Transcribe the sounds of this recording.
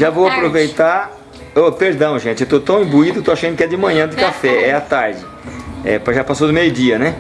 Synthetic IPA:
ʒavowapɾovejt̪aɾ | opeɾd̪ɐ̃w̃ʒẽt͡ʃɪewt̪ot̪ɐ̃w̃ĩbuid̪ʊet̪oaʃɐ̃nd̪ʊkɪɛd͡ʒɪmɐ̃ɲɐ̃d̪ɪkafɛɛat̪aɾd͡ʒɪ | ɛ̰pɾaʒapasod̪ʊmejʊd͡ʒiɐnɛ

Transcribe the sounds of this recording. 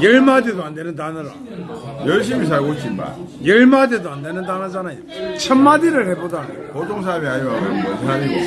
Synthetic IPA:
jeɭmadedoandenɯntanɯɾa̰ | jʌɭɕ̬ʰimis̬aiɡot͡ɕinba̰jeɭmad̪edoandenɯntanad͡ʑanajot͡ɕʰəmːadiɾɯɭhebodanjokot̪ʰoŋs̬ʰamiajosʰamio

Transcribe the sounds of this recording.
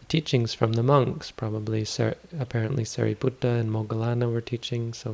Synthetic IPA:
tʰit͡ʃɪ̃ŋz̥fɹʌ̃mðəmʌ̃ŋkspʰɹ̥ɑbəblisɛ̰əpʰɛɹɨ̃nʔlisɛ̰ɹḭbutəɨ̃nmoɡəlˠanəwə˞tʰit͡ʃɪ̃ŋsoʊ

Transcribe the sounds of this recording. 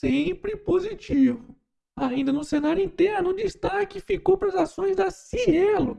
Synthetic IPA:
sẽpɾɪpozit͡ʃivʊ | aĩd̪ɐnʊsenaɾjʊĩt̪ɛɾnʊʊ̃d͡ʒist̪akɪfikowpɾɐzasõj̃zd̪ɐsielʊ

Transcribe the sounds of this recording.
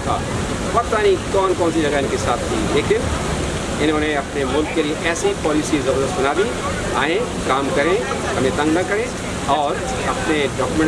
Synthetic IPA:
t̪ʰa̰ː | pɐɾt̪anĩkɔːnkɔːnsid͡ʒɐɡaɪnkesaːt̪ʰt̪ḭːleːkɪn | ɪnɦõːneɐpnemʊlkːelieʔɛːsipɔːlisizɐbəɾd̪əst̪bɐnaːd̪i | aːẽ | kaːmkɐɾẽ | ɦɐmẽt̪ɐ̃ŋɡnɐkɐɾẽ | ɔːɾ | ɐpneɖɔːkmə̃

